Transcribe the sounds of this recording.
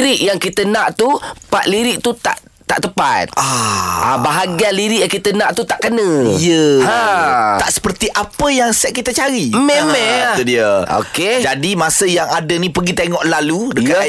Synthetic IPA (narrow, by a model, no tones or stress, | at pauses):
ɾɪʔjaŋkit̪ənãʔt̪upat̪liɾɪʔt̪ut̪a̰ʔ | t̪a̰ʔt̪əpa̰t̪̚aabaɦaɡialiɾɪʔjaŋkit̪ənãʔt̪ut̪aʔkənə̃jəhat̪aʔsə̥pərt̪iʔapəjaŋsɛʔ̚kit̪ət͡ʃaɾimɛmmɛudiəo̰ked͡ʒadimasəjaŋadənĩpəɡit̪eŋɔʔlaludəka